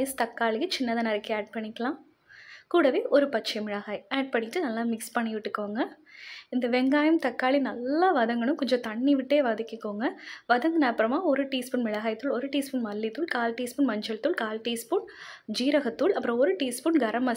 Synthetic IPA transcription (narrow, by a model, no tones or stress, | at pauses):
jɐst̪ɐkːaːɭɪjɐt͡ʃɪnːɐðɐnɐɾɐkːɯaːɖ̚pɐɳːɪkːɐɭãː | kuːɽɐʋeːʔɔɾɯpɐt͡ʃːɐmɪɭɐɣaːjaːɖ̚pɐɳːɪʈːɯnɐlːaːmɪkspɐɳːɪʋɪʈːɯkːoːŋɡɐ | ɪnd̪ɐʋɛŋɡaːjɐmt̪ɐkːaːɭinɐlːɐʋɐðɐŋɡɐɭɯ̃mkɔɲd͡ʒɐ̃t̪ɐɳːiʋɪʈːeːʋaːðɪkːɯkːoːŋɡɐʋɐðɐŋɡɐnɐɐpːɯɾɐmaːɔɾɯʈiːspɯnmɪɭɐɣaːjt̪ːɯɭɔɾɯʈiːspɯnmɐlːit̪ːɯɭkaːlʈiːspɯnmɐɲd͡ʒɐɭt̪ːɯɭkaːlʈiːspɯɳd͡ʒiːɾɐɣɐt̪ːɯɭɐpːɯɾɔ̃ɔɾɯʈiːspʊɳɡɐɾɐmɐ